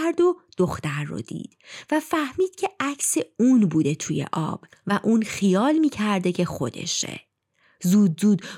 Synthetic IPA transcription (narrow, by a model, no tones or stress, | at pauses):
ɾd̪od̪̥oxt̪æɾːo̰d̪̥ḭːd̪̥væfæhmiːd̪̥cʰeæcʰseuːnbuːd̪e̞t̪ʰuːjḛʔɒ̰ːb̥ | væʔuːnxijɒːlmiːcʰæɾd̪e̞cʰe̞xo̞̰d̪e̞̰ʃḛ | zuːd̪zuːd̪